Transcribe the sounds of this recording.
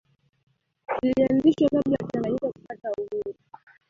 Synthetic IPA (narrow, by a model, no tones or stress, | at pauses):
nilianziʃwakaɓiakanalikɔku̥patauhuɾu